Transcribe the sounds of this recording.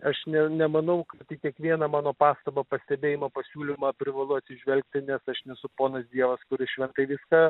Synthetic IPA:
ɐʃnʲɛnʲɛmɐnɐʊkɐt̪ʲɪkʲiɛkʋʲiɛnɐmɑːnoːpɑːst̪ɐbɐpɐsʲt̪ʲɛbʲeːjɪmɐpɐsʲuːlʲɪmɐpʲɾʲɪʋɐlˠʊɐt̪sʲɪʒʲʋʲɛlʲk̚t̪ʲɪnʲɛsɐʃnʲɛsʊpoːnɐsd̪ʲiɛʋɐskʊɾʲɪʃʲʋʲɛnt̪ɐɪʋʲɪskɑː

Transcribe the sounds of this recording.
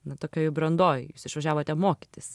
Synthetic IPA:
nɐt̪oːkʲoːjɛbɾɐnd̪oːjjuːsɪʃʋɐʒʲæːʋoːt̪ʲɛmoːkʲɪt̪ʲɪs

